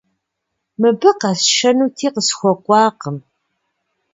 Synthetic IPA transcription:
mɨbəqasʃɐnut̪ʰiqəsxʷɔqʷːɑːqəm

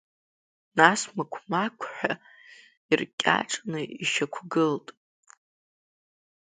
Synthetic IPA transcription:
nasmakʷʰmakʷʰħʷᶣa | irkʲʼa̰ʈ͡ʂʼnɨiʃakʷʰɡɨltʼ

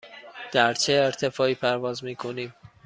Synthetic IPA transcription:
d̪̥æɾt͡ʃʰeːɾt̪ʰe̞fɒːiːpʰæɾvɒːzmiːkʰo̞niːm

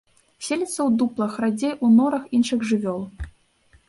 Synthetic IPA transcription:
sʲelʲɛt̪sɐwd̪uplˠɐxrad͡zʲejʔunɔɾɐxinʂɨɣʐɨvʲɔlˠ

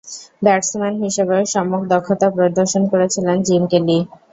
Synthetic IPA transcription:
bɛʈsmanɦiʃebeʃɔmokd̪ɔkʰːot̪apɾod̪oɾʃonkoɾet͡ɕʰilend͡ʑimkeli

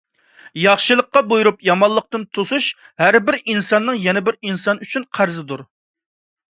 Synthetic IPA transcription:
jɑχʃɨlˠəqːɑbojuɾupjɑmɑlːˠəq̚t̪ɨnt̪ʰosuʃ | hæɾbɪɾinsɑnːɨŋjɛnɛbɪɾinsɑnyt͡ʃʰynqʰæɾzɨd̪uɾ

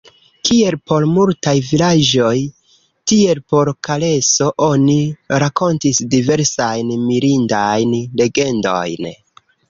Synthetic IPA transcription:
kie̞lpo̞ɾmultajvilad͡ʒo̞j | tie̞lpo̞ɾkale̞so̞ʔo̞niɾako̞ntisdive̞ɾsajnmiɾindajnle̞ɡe̞ndo̞̰jn

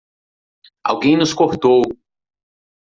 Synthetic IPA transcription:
a̰wɡẽj̃nʊskoɾt̪ow

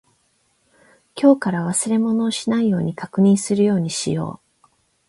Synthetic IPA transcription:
kʲo̞ːkaɾaβ̞asɨɾe̞mo̞no̞ːɕinaijo̞ːɲ̟ikakɯ̟ɲ̟ĩɰ̃sɨɾɯ̟jo̞ːɲ̟iɕḭjo̞̰ː

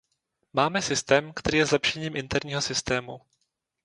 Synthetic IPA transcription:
maːmɛsɪst̪ɛːmkt̪ɛɾiːjɛzlɛpʃɛɲiːmʔɪnt̪ɛɾɲiːɦo̞sɪst̪ɛːmu

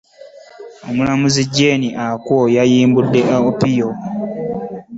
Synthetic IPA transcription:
omulamuziɟːe̞ːniʔakwojajiːmbudːe̞ʔaopijo

